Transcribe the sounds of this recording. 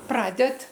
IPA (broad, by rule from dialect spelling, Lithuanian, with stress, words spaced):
ˈprɑːdʲɛt